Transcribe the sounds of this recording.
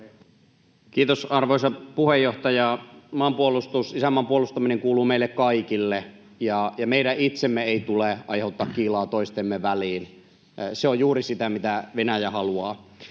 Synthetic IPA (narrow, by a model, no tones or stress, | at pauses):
kiːt̪osɑrʋoisɑpuhejːoht̪ɑjɑmɑːmpuolust̪usisæmːɑːmpuolust̪ɑmineŋkuːluːmeilːekkɑikilːe | jɑjɑmeiɾæʔit̪semːeeˑit̪uleʔɑjheˑut̪ːɑːkkiːlɑːt̪oist̪emːeʋæliːn | seojjuːrisit̪æmit̪æʋenæjæhɑluɑː